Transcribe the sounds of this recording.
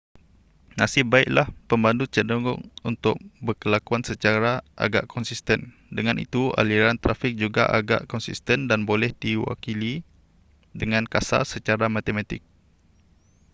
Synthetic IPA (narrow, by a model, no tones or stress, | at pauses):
nasɪhbaɪʔlahpəmbandut͡ʃədəɡʊ̰ŋunt̪ʊ̰k̚bəkəlakuansət͡ʃaɾaʔa̰ɡa̰ʔkʰɔnsist̪ɛn | dəŋãnʔḭt̪ua̰liɾant̪ɾafɪk̚d͡ʒuɡa̰ʔaɡa̰ʔkɔnsist̪əndanbolɛhdiwa̰kili | dəŋãnkasa̰sət͡ʃaɾamãt̪emãt̪ɪk̚